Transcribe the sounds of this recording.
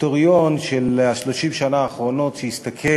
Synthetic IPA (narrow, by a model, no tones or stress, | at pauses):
t̪oʁjonʃelaʃloʃimʃanaːχʁo̞no̞t̪ʃejist̪akʰe